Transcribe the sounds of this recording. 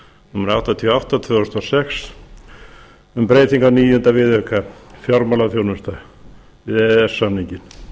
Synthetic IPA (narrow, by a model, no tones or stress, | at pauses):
nʏmːʏɾawht̪at̪ʰiɔawht̪at̪ʰvœʏst̪asɛks | ʏmpɾeːjt̪iŋkaniːjʏnt̪avɪðœkafjɔɾmalaθjoːwnʏst̪a | ɪðɛɛsːamniɲcɪn